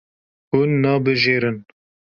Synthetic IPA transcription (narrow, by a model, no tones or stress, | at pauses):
hunːɑːbɨʒeːɾɨn